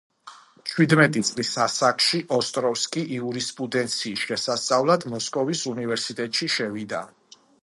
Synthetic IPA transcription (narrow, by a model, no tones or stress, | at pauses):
t͡ʃʰwid̪mɛt̪ʼit̪sʼlisasakʰʃiʔɔst̪ʼɾɔfskʼiʔiuɾispʼud̪ɛnt̪sʰiːsʃɛsast̪sʼavlad̪mɔskʼɔvisunivɛɾsit̪ʼɛt̪ʼʃiʃɛvid̪a